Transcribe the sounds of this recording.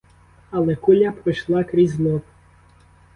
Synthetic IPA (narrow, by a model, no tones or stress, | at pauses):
ɐlˠɛkulʲapɾɪʃlˠɑkɾʲizʲlˠɔp